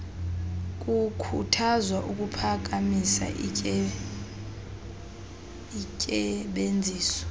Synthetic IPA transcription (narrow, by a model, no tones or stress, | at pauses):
k̬ʼukʰutʰazwaʔuk̬ʼupʰak̬ʼamisa̰ʔʼ | icʼɛɓend͡zʱiːsɔ̥